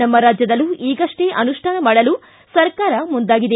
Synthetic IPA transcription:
ɐmːɐɾaːd͡ʒjɐd̪ɐlːuʔiːɡɐʂʈe̞ʔɐnuʂʈʰaːnɐmaːɽɐlu | sɐɾkaːɾɐmund̪aːɡid̪e

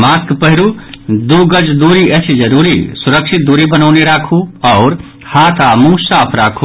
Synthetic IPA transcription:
maːskpəɦɪɾud̪uːɡəd͡ʒd̪uːɾiɛt͡ʃʰid͡ʒəɾuːɾḭsʊɾəkʃʰɪt̪̚d̪uːɾibənaʊneɾaːkʰuɔːɾ | haːt̪ʰamũːsaːpʰɾaːkʰu

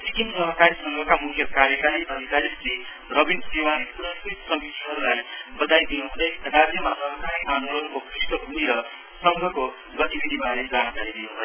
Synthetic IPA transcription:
sikinsʌɦʌkaɾisʌŋɡʱʌkamukʰjʌkaɾjʌkaɾiʌd̪ʱikaɾisi | rʌbinsewaleprʌst̪it̪sʌmit̪iɦʌɾulajbʌd̪ajd̪inuɦud̪ʌrad͡zjʌmasʌɦʌkaɾianuɾonkokrisʈʌɡʱuiɾʌ | sʌŋɡʱʌko | ɡʌt̪ibid̪ʱibaled͡zankaɾid̪inũɦlʌ

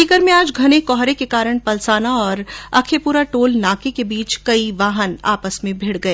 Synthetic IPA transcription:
iːkəɾmẽaːd͡ʒɡʱɐnekɔːɦɾekekaːɾəɽ̃pɐlsaːnaɔːɾɐkʰepuːɾaʈoːlnaːkekebiːt͡ʃkɐiʋaːɦəna̰ːpəsmẽbʱɪɽɡɐeː

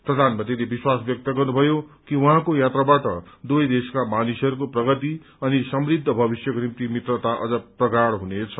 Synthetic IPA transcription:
prʌd̪ʱanmat̪ilebiswasbjʌk̚t̪ʌɡʌrnubʱʌjokiwuɦãkojat̪rabaʈʌ | d̪ujd̪eskamanisʌɾukoprʌɡʌt̪i | ʌnisʌmrid̪ʱːʌbʱʌbisjʌkonimt̪imit̪rʌt̪aʔʌ̰d͡zʌprʌɡaɽɦunet͡sʰʌ̥

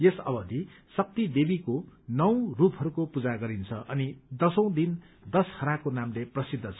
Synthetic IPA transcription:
jesʌ̰bʌd̪ʱi | sʌk̚t̪id̪ebikonʌw̃rupɦʌɾukopud͡zaɡʌɾint͡sʰʌʔʌnid̪ʌsʌ̃w̃d̪in | d̪ʌshʌɾakonamleprʌsid̪ʱːʌt͡sʰʌ̥

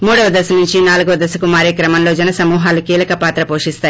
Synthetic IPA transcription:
muːɽɐʋɐd̪ɐsɐnuɲt͡ʃinaːluɡuʋɐd̪ɐsɐkumaːɾiːkɾɐmɐmlo̞ːd͡ʒɛnɐsɐmuːɦaːlukiːlɐkɐpaːt̪ɾɐpoːʂist̪aːji

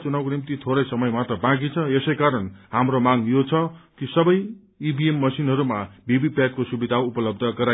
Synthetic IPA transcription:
t͡sunawkonimt̪it̪ʰoɾʌjsʌmʌjmat̪rʌbãk̬it͡sʰʌesʌjkaɾʌnhamromaŋjot͡sʰʌkisʌbʌj | ibʱiemːʌsinɦʌɾumabibipat̚kosubid̪ʱaupʌlʌb̚d̪ʱʌkʌɾa

